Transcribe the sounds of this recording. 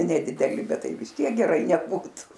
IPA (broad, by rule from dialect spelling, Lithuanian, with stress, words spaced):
nʲɛdʲɪdʲɛˈlʲɪ ˈbʲɛt ˈtɐɪ ʋʲɪs ˈtʲiɛk ɡʲɛˈrɐɪ nʲɛˈbuːtʊ